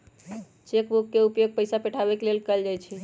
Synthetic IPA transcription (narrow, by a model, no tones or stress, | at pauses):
t͡ʃekbukkːeupjoɡ̚pəɪjsapɛʈʰabekelelkəld͡ʒajt͡ʃʰi